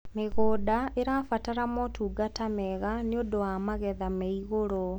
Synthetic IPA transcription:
meɣoːdaeɾafataɾamotʰuːɡatamɛɣaneodowamaɣɛðameiɣoɾo

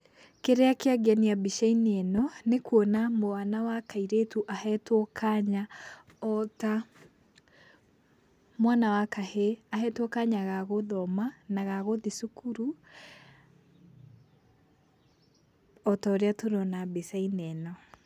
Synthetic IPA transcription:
keɾeakeaɡaniabiʃainɛnɔnekwɔnamoanawakaiɾetuʔahɛtwɔkʰaɲa | ɔta | mwanawakaheahɛtwɔkaɲaɣaɣoðɔmanaɣaɣoðisukuɾu | ɔtaoɾeatoɾɔnabesainɛnɔ

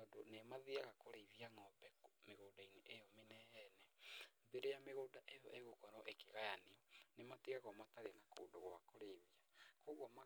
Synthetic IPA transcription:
ɔdonemaðiaɣakoɾeiðiaŋɔbɛmeɣoːdaineʔejɔmenɛɛnɛðeɾejameɣoːdaʔejɔʔeɣokɔɾɔʔekeɣajaneɔnemateɣaɣɔmataɾenako̰doɣwakoɾeiðiakoɣwama

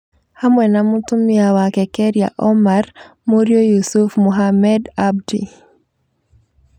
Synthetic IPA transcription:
hamwɛnamutumiawakɛkɛɾija̰ʔɔmar | moɾjojusufmuɦamɛdab̚dḭ

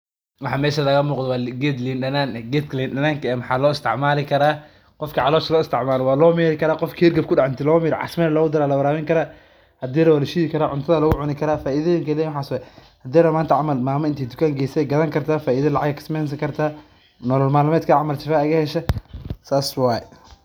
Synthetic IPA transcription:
wɑħɑːmɛːʃɐlɐɣɐmuːqðɔwɑːlɡɛd̪linɖɐnaːnɡɛt̪klinɖɐnaːŋkʰɐɛːmħɑːlɔːɪst̪ʰɪ̰ʕmaːlɪkʰɐɾaː | qɔfkʰiʕɑlɔːʃɐlɔːɪst̪ʰɪʕmaːlɔwɑːlɔːmɛːɾɪkʰɐɾaːqɔfkʰihɪrɡɐb̚kʰʊɖɑʕɪnt̪ʰɪlɔːmɛːɾʕɑ̰smɛːɾlɔːɣʊd̪ɐɾaːlɐbɐɾaːmɪŋkʰɐɾaː | hɐd̪iːɾɐwɐlɐʃiːɣɪkʰɐɾaːʕʊnt̪ʰɐðɐlɐɣʊʕʊnɪkʰɐɾaːfaːʔiðɐjɪŋkʰɐlɛjwħaːsɛ | hɐd̪iːɾɐmaːnt̪ʰɐʕɑmɐlmaːmɐɪnt̪ʰɛːjd̪ʊ̥kʰaːŋɡɛjsɛɛɡɐðɐŋkʰɐrt̪ʰaːfaːʔiːðɐlɑʕɑɡɐkʰɪ̥smɛːns̬ɐŋkʰɐrt̪ʰaː | nɔlɔlmaːlʊmɛːd̪kʰɐʕɑmɐlt͡ʃɪfaɐɣɐhɛʃɐsaːswɑːjɛ

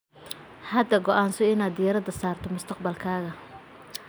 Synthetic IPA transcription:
hɐd̪ɐɡɔʔaːnsɔɪnaːd̪ɪjɐɾɐd̪ɐsaːrt̪ʰɔmʊst̪ʰɐqbɐlkʰaːɣɐ

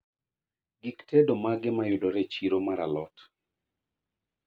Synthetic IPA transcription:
ɡiktedomaɡɪmajʊdɔɾet͡ʃiɾomaɾalɔt

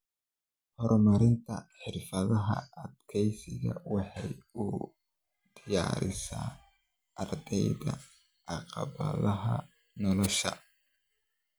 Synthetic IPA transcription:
hɔrmɐɾɪnt̪ʰɐħɪrfɐðɐɦɐ̰ːd̪kʰɛjsɪɣɐwɑħɑjʊ | d̪̥ɪjaːɾɪsa̰ː | ɐrd̪ɛjðɐ̰ | ʔɑqɑ̰βɐ̰ðɐɦɐ | nɔlɔʃɐ̰

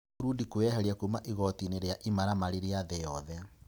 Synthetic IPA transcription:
ɾudikoɛhɛɾjakomaʔiɣɔtineɾeaʔimaɾamaɾeɾeaðɛjɔðɛ

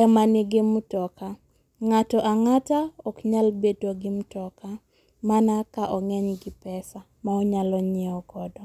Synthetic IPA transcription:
ɛmanɪɡɪmutɔka | ŋatɔʔaŋataɔkɲalbetoɡɪmutɔka | manakaʔɔŋɛɲɡɪpɛsa | maɔɲalɔɲɛɔɡɔdɔ

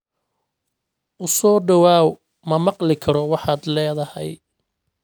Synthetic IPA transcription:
ʔʊsɔːɖɐwaːw | mɐmɑqlɪkʰɐɾɔwɑħɑːd̪lɛːðɐhɛ̰j

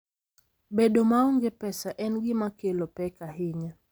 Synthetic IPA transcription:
beɗomaoŋɡepɛsaʔɛnɡɪmakelopɛkaɦɪɲa

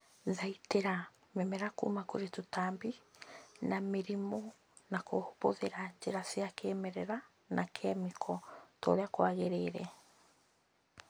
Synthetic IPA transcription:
ðaiteɾa | mɛmɛɾakṵmakoɾetotaːmbi | nameɾimɔ | nakohoβoðeɾaɲd͡ʒeɾasiakeːmɛɾɛɾa | nʔakʰɛmikʰɔto̰ɾeakwaɣeɾeːɾɛ

